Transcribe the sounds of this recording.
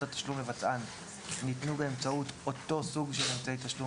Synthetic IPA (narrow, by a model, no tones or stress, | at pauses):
atḁʃlumlevat͡sʔanː | itnubeemt͡sauto̞to̞suɡʃele̞mt͡saejtaʃlu